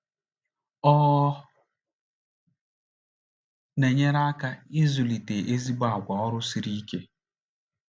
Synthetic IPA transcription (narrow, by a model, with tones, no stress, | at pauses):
ɔ˦ | ne˨ɲe˦ɾa˦ka˦ɪ˦zʊ˨li˨te˨ʔe˦zi˦ɡ͡ba˨ɡʷa˨ɔ˦ɾʊ˦si˦ɾi˦ke˦